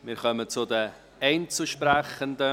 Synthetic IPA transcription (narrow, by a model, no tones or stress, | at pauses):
mɪːɾχœmət͡sʊdə | ɛɪnt͡suʃpɾɛχəndə